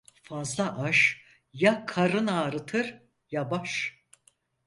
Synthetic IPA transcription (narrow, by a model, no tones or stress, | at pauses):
fazlˠaʔaʃ | jakʰaɾɯnaːɾɯt̪ʰɯɾ | jabaʃ